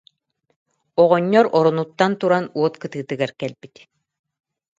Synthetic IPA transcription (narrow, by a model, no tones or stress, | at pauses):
ɔʁɔɲːɔɾɔɾɔnut̪ːant̪uɾanuɔt̪kɯt̪ɯːt̪ɯɡaɾkɛlbit̪